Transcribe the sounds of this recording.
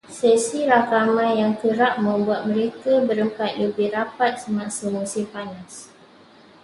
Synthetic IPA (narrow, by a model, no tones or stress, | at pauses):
sesiɾakamãjaŋkəɾaʔ̚mə̃mbuat̪̚mə̃ɾekabəɾəmpat̪̚ləbɪhrapat̪̚səmãsəmũsɪpanas